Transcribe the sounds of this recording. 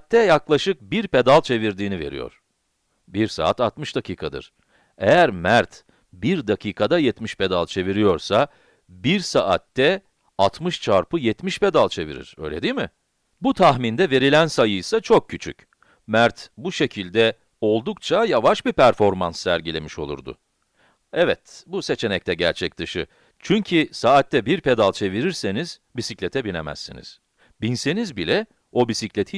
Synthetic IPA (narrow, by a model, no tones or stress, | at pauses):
t̪ʰːɛjaklˠaʃɯk̚biɾpe̞d̪alˠt͡ʃʰe̞viɾd̪iːnive̞̰ɾḭjo̰ɾ̥ | biɾsa̰ːat̪at̪mɯʃd̪acʰiːkʰad̪ɯ̰ɾ̥ | ejæɾmæɾt̪ | biɾd̪acʰiːkʰad̪ajɛt̪miʃpʰe̞d̪alˠt͡ʃʰe̞viɾijo̞ɾsa | biɾsaʔa̰t̪ːɛ | at̪ʰmɯʃt͡ʃʰaɾpɯjɛt̪miʃpe̞d̪alˠt͡ʃʰe̞vḭɾḭɾ̥ø̞̰jlʲe̞d̪iːmɪ | but̪ʰaxmind̪ɛve̞ɾilʲænsajɯjsat͡ʃʰo̞k̚cʰːyt͡ʃʰy̰c | mæɾt̪buʃe̞cʰilʲd̪ɛ | o̞lˠd̪ukt͡ʃʰajavaʃbipʰæɾfo̞ɾmansːæɾɟilʲe̞miʃo̞lˠṵɾd̪ʊ̰ | ɛvɛt̪buse̞t͡ʃʰe̞nɛc̚t̪ʰɛɟæ̰ɾt͡ʃʰɛc̚d̪ɯʃɯ̰ | t͡ʃʰyɲcʰisaːt̪ːɛbiɾpe̞d̪alˠt͡ʃʰe̞viɾiɾse̞nizbisicʲlʲe̞t̪ʰɛbinḛmæ̰sːḭnḭz̥ | binse̞nizbilʲɛ | o̞bisiclʲet̪ʰi